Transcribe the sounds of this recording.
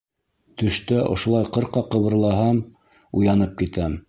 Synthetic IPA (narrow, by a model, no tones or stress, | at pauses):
t̪ɵ̆ʃt̪æʔŏ̰ʃŏlˠɑjqɤ̆ɾqɑqɤ̆βɤ̆ɾlˠɑɦɑm | ujɑnɤp̚kit̪æm